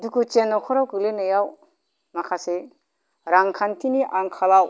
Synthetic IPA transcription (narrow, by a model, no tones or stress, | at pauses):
dukʰut͡ʃenːawkʰɔɾawkɯlenɯjaw | makʰase | ɾaŋkʰantʰiniʔaŋkʰalaw